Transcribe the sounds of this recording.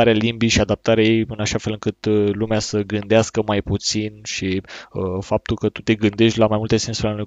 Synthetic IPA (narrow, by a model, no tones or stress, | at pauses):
aɾealimbiʃiad̪ap̚t̪aɾeajejɨnaʃafe̞lɨŋkɨt̪lumeasəɡɨnd̪easkəmajput̪sinʃiəfap̚t̪ulkət̪ut̪e̞ɡɨnd̪e̞ʃt̪ʲlamajmult̪e̞se̞nsuɾanuj